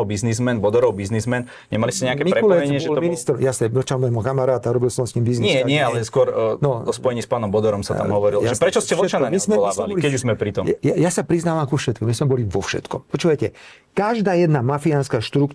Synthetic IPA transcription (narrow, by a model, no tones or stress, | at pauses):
ɔbiznizmɛnbɔd̪ɔɾɔwbiznizmɛn | ɲɛmaliscɛɲɛakɛmiɾɛulɛɛɲɪɛɔʒɛɔminist̪ɾɔjasɛɔt͡ʃalmɔjmukamaɾaːt̪aɾɔbilslɔʋɛ̃nskimbizniɲɪsɛɲɪɛalɛskʊɔɾnɔɔspɔjɛɲiːspaːnɔmbɔd̪ɔɾɔmsat̪a̰mɦɔʋɔɾiljaʒɛpɾɛt͡ʃɔscɛɔt͡ʃanmismɛlaːsɛliɔlikɛuzmɛpɾit̪ɔmjajasapɾiznaːʋamkufʃɛt̪̚kɔmizmɛbɔliʋɔfʃɛ̰t̪kɔ̰mpɔt͡ʃuːʋajcɛ | kaʒd̪aːjɛd̪namafianskaʃt̪ɾuk